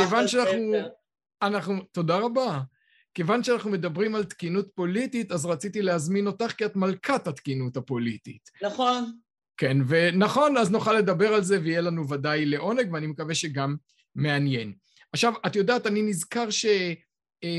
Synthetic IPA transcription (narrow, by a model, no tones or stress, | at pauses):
kevanʃeanaaχnu | anaχnuto̞daʁaba | ke̞vanʃeanaχnume̞dabʁimalt̪kinutpo̞lititazʁat͡sitileazmino̞taχkiatmalkʰathatkinuthapo̞litḭtnon | kenve̞naχo̞naznuχalːe̞dabe̞ʁalze̞veijelanuvadajle̞ʔo̞ne̞ɡveanimekaveʃe̞ɡamː | e̞anje̞n | aχʃavatjo̞daːtaninizkaʁʃe̞